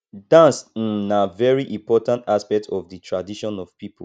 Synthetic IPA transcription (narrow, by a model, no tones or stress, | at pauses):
dãnsĩnavɛɹiʔĩmpɔtãntaspɛk̚tʰɔvðətʰɹadiʃɔ̃nɔv̥pip